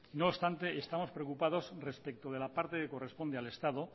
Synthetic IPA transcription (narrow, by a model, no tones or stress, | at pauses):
ino̞st̪ant̪e̞est̪amo̞spɾeokupað̞o̞sre̞spek̚t̪oð̞e̞lapaɾt̪e̞keko̞re̞spo̞nd̪eale̞st̪að̞o